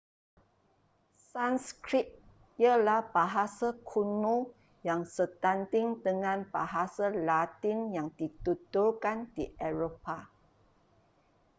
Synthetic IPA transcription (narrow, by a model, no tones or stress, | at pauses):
sãnskɾit̚ | iəlahbaɦasakʰunũ | jaŋsət̪ant̪ɪŋdəŋãnbaɦasalat̪injaŋdit̪utulkandiʔɛɹopa